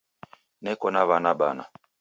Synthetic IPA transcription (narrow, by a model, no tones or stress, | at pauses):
nɛkɔnaβanaɓana̰